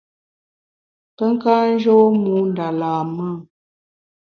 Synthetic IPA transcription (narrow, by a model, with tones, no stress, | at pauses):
pə˦ŋ̩˦kaː˦n̩˦d͡ʒo˦mu˨˦n˨da˨laː˨mə˦˨